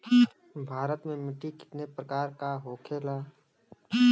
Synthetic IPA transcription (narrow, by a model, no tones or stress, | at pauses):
bʱaːɾət̪mẽmɪʈːikɪ̥t̪nepɾəkaːɾkaɦoːkʰeːlaː